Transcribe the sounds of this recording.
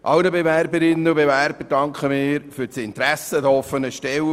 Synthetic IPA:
ʔɑwnəbeværbəɾɪnːəʊbevæɾb̥ədɑŋkχəmɪːɾfyɾt͡sɪnt̪ɾæsəd̪əɔfːənəʃtɛw

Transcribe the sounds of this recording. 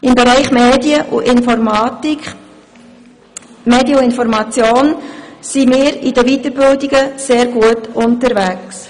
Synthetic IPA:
ɪmbɛɾæɪχmeːdjəʔṵʔɪnfɔɾmɑːtik | meːdjəuɪnfɔɾmɑt͡sjoːnsimɪːɾidəvitəɾbɪldiɡəseːɾɡ̥uətʊntəɾvæks

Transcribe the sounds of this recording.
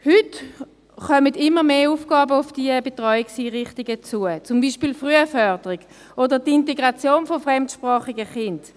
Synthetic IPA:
hʏt | χœmədɪmːəmeːufɡ̥ɑːbəufd̥iəbetʁɔʏiksiːʁɪχtiɡət͡suət͡sʊmbiːʃpiːlfʁyəfœʁdəʁiɡ̥ | ʔodəʁtinteɡʁat͡sjoːnfofʁɛmtʃpʁɑːχiɡəχɪnd

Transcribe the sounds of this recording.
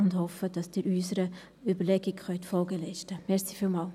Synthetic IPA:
ʊndhɔfəd̥ɑsd̥iːɾyːsəɾə | ʏbəɾlɛɡɪkχœntfɔlɡəlɛɪʃtəmɛɾsifiːlmɑːl

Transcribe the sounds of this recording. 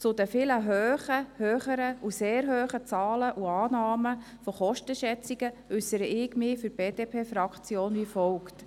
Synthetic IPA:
t͡sʊd̪əfɪːləɦøːχəhøːχəɾəuseːɾɦøːχət͡sɑːləʔuɑːnɑːmə | fɔχɔʃtəʃɛt͡siɡəʏsəɾəʔɪɡmɪfyɾb̥eːd̥eːpʰeːfɾɑkχt͡sjoːnʋifɔlkt

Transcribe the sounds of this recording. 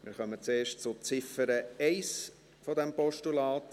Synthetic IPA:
mɪ̰ɾχœmət͡seːɾʃtt͡sʊt͡sɪfəɾəɛɪs | fɔd̪ɛmpɔʃtulɑːt

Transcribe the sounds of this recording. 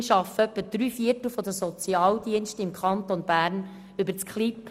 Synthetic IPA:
ʃɑfəœpːəd̥ɾyːfiərtl̩fɔd̪əsɔt͡siɑːldiənʃtəɪmkʰχɑnt̪onb̥æːɾn | ʏbəɾt͡skχlip̚

